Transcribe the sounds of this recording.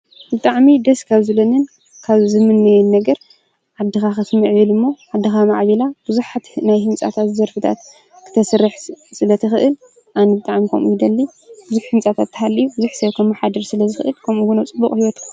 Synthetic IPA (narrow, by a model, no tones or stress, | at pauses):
bɨt̪ʼaʕmid̪ɐskʰaβzɨlɐnɨn | kʰaβzɨmɨnːɐjɛnnɐɡɐɾ | ʕad̪ːɨxaxɐsmɨʕjɨlɨmːoʕad̪ːɨxamaʕβɐlab̥ɨzuħat̪najhɨmt͡sʼa̰t̪ʰat̪zɐɾfɨt̪ʰa̰t̪ | kʰɨ̥t̪ʰɐsɨɾːɨħsɨlɐt̪ʰɨxɨʔɨl | ʔanɐbɨt̪ʼaʕmikʰɐmʔujid̪ɐlːibɨzuħhɨmt͡sʼat̪ʰat̪ʰːɨhalːijubɨzuħsɐβkʰɐmħad̪ɐɾsɨlɐzɨxɨʔɨlkʰɐmuɡunot͡sʼɨbːuχʼhiwot̪kʰ